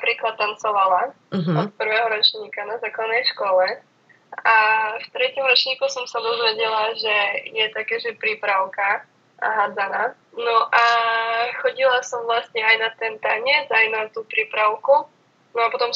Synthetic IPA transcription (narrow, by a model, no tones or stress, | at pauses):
apɾiːklat̪̚ːant͡sɔʋala | ɔt̪̚pr̩ʋɛːɦɔɾɔt͡ʃɲiːkanazaːklad̪nɛjʃkɔlɛ | aft̪ɾɛcɔmɾɔt͡ʃɲiːkusɔmsad̪ɔzʋɛɟɛlaʒɛjɛt̪akɛːʒɛpɾiːpɾaʊka | a̰ɦaːd͡zana | nɔʔa | xɔɟilasɔmʋlast̪ɲɛajnat̪ɛnt̪aɲɛd͡zajnat̪upɾiːpɾaʊku | nɔapɔt̪ɔm